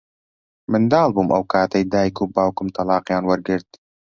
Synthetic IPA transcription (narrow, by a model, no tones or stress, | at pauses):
mɨnd̪ɑːlˠbuːmʔɐwkʰaːt̪ɐjd̪aːjkʰuːbaːwkʊmt̪ʰɐlɑːqjɑːnwɐɾɡɨɾd̪